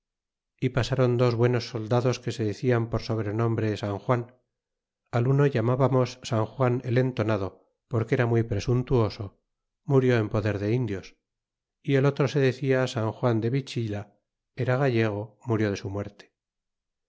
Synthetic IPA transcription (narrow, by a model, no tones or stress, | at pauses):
ipasaɾo̞nd̪ozβwe̞no̞sːo̞ld̪aðo̞ske̞se̞ðeθiampo̞ɾso̞β̞ɾe̞nõ̞mbɾe̞saŋxwan | aluno̞ʝamaβamo̞sːaŋxwanele̞nt̪o̞naðo̞ | po̞ɾkeeɾamwijpɾe̞sunt̪uo̞so̞ | muɾjo̞empo̞ðe̞ɾðe̞ind̪jo̞s | ie̞lo̞t̪ɾo̞se̞ðe̞θiasaŋxwand̪e̞βit͡ʃila | eɾaɣaʎe̞ɣ̞o̞muɾjo̞ð̞e̞sumwe̞ɾt̪e̥